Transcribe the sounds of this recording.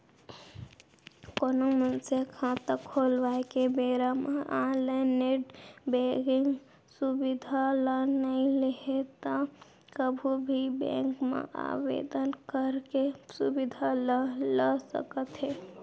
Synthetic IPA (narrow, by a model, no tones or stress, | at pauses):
konomənsekʰãt̪əkʰːolʋaekebeɾameʔaleneɖbeɡiŋɡ | subid̪ʱalənəĩleɦet̪ɔ | kəbʱubʱibḛ̃ŋkmḛʔa̰ʋḛd̪ənkəɾkesṵbid̪ʱalələsə̰kət̪ɦɛ